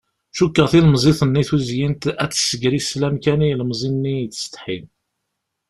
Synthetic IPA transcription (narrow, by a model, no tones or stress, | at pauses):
ʃukːəʁθiləmzˤiθənːiθuzjint̪æt͡sːsəɡɾislæmkænilmzˤinnːijt͡sːə̥st̪ˤħḭn